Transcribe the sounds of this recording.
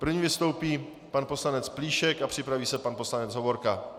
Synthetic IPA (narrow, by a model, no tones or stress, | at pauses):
pr̩vɲiːvɪst̪o̞wpiː | panpo̞slanɛt͡spliːʃɛkapr̥ɪpɾaviːsɛpanpo̞slanɛd͡zɦo̞vo̞ɾka